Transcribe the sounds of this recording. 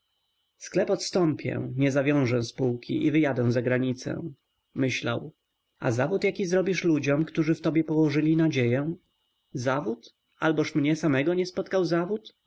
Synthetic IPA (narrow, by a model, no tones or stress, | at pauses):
sklɛpɔt̪st̪ɔ̃mpʲjɛ̰ɲɛzavʲjɔ̃w̃ʐɛ̃spuwkʲḭʔivɘjad̪ɛ̃w̃zaɡɾaɲit̪sɛ̰̃ | mɘɕla̰w | a̰zavut̪jakʲizɾɔbʲiʂlud͡ʑɔmkt̪uʐɘft̪ɔbʲjɛpɔwɔʐɘlʲinad͡ʑejɛ̃ | zavut̪ | albɔʂmɲɛsamɛɡɔɲɛspɔt̪kawzavut̪